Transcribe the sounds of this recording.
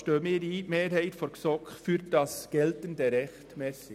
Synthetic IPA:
ʃtøːmiːdimeːɾhæɪt̪fɔɾksɔkfyːɾd̥ɑsɡ̥ɛlt̪ənd̪əɾɛxt̪mɛːsɪ

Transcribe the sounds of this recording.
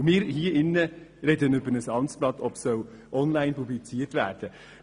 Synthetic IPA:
mɪːɾhiːɾʔɪnːəɾɛd̪ənybənəsɑntsb̥lɑt̪ʰɔpsœʊ | ʔɔnlæɪnpublɪt͡siːtʋæːɾd̥ə

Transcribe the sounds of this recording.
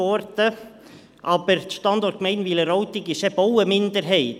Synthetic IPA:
ɔɾt̪ə | apɛɾ̥t̪st̪ant̪ɔɾ̥t̪mejnvilɪɾowt̪icɪsɛpowɪmɪnt̪ɪɾɦejt̪

